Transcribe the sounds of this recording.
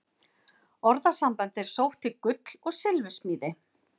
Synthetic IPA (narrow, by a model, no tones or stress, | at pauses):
ɔɾðasampant̪ɛɾ̥sowht̪ikʏt̪l̥ɔɣsɪlvʏsmiːðɪ